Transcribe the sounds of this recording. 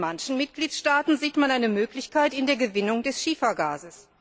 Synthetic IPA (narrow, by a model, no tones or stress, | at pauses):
mançn̩mɪtɡ̥liːtʃtaːtn̩ziːtmanʔaɪnəmøːklɪçkaɪtɪndeːɐɡəvɪnʊŋdɛsʃiːfɐɡa̰ːzəs